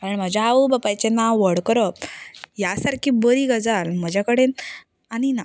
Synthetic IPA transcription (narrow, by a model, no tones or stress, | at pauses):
kaɾəɳm̤əd͡ʑaaubapajt͡ɕenaʋəɽkəɾəp̚jasaɾkʰiːbəɾiːɡəd͡zalm̤əd͡ʑʱakəɽen | anina